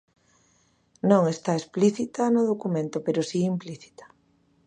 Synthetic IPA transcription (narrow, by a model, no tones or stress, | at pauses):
nõŋest̪aespliθit̪anʊð̞okumẽnt̪opeɾosiːmpliθi̥t̪ḁ